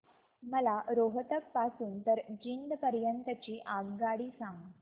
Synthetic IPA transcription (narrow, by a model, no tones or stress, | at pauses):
məlaɾoɦət̪ək̚pasuːnt̪əɾd͡ʑind̪pəɾjənt̪ət͡ɕiːʔaɡɡaɽiːsãŋɡ